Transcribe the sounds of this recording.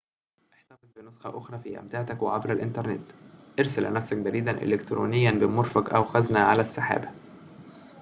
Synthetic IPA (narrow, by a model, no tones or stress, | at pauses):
ʔeħt̪ɑfɪzbɪnosxɑʔoxɾˤɑfiːʔæ̰mt̪aːʕt̪ækweʕabɾælʔɪnt̪ɑɾˤnḛt̪ʔɑɾsælʔnæfsæk̚bæɾiːd̪ænʔḛlekt̪ɾo̰ːnɪjːænbɪmoɾˤfækʔæwxæznæʕalæsːaħa̰ːbæ